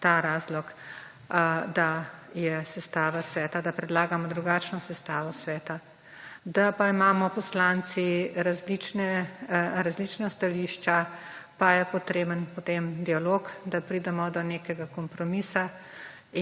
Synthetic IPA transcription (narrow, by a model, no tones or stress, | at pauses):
t̪aɾaːzlɔk | d̪ajɛsɛst̪aːʋasʋɛːt̪ad̪apɾɛd̪laːɡamɔd̪ɾuɡaːt͡ʃnɔsɛst̪aːʋɔsʋɛːt̪a | d̪apaimaːmɔpɔslaːnt̪siɾazlit͡ʃnɛ | ɾazlit͡ʃnast̪aliːʃt͡ʃapajɛpɔt̪ɾeːbənpot̪emd̪ialoːkd̪apɾid̪ɛmɔd̪ɔneːkɛɡakɔmpɾɔmiːsa